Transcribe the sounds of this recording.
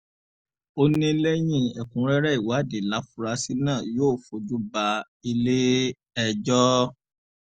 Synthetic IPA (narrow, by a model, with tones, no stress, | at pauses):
o˦nĩ˦lɛ˦j̃ĩ˦˨ɛ˨kũ˨˦ɾɛ˦ɾɛ˦i˨wa˨˦˨de˨la˨˦fu˦ɾa˧˦si˦nãː˦˨joː˦˨fo˨d͡ʒu˦ba˧ | i˧le˦ | ɛ˧d͡ʒɔ˦